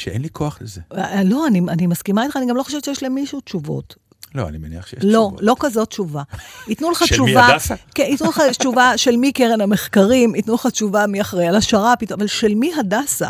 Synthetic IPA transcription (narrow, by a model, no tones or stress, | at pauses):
ʃeenlikʰoaχlezelo̞anianimaskimait̪χaːniɡamlo̞χoʃevtt͡ʃʃejɛʃlemːiʃutt͡ʃuvo̰t | lo̰a̰nimenḭaχʃejlo̞lo̞kazo̞tt͡ʃuvaitnuleχat͡ʃuvakeitnuleχat͡ʃuvaʃe̞lmikeʁenhame̞χkaʁimitnuleχat͡ʃuvamiaχʁejalaʃaʁapit̪avalʃe̞lmiɦadasa̰